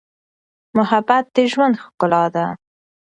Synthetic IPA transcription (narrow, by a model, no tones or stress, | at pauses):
mʊhabat̪̚d̪eʒwand̪xkʊlɑd̪a